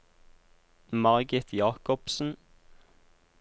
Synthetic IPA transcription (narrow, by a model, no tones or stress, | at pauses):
mɑʁɡɪt̪ʰjɑːkɔpsn̩